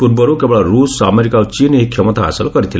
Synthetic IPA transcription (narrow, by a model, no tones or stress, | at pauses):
ut̪̚bɔɾukebɔɭaɾusa̰meɾikat͡ʃineɦikʰːɛmɔt̪aa̰silkɔɾit̪ʰil